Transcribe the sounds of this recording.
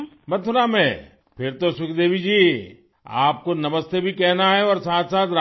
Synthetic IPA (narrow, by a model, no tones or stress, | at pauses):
mɐt̪ʰʊɾamẽ | pʰɪɾt̪osʊkʰd̪eːbʱid͡ʒiː | a̰ːp̚konɐməst̪ebʱikɛɦnaɦɛɔːɾsaːt̪saːt̪ɾa